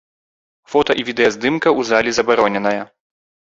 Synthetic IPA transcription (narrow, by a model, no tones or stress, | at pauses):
fɔt̪ɐʔivʲid̪ɛjɐzd̪ɨmkɐʔuzalʲizɐbaɾɔnʲɛnɐjɐ